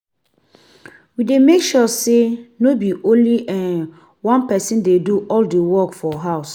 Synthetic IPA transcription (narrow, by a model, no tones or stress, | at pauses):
widemekʃɔsenobiʔõnliʔɛ̃n | wãnpɛsĩndeduʔɔldewɔkfɔɦaʊs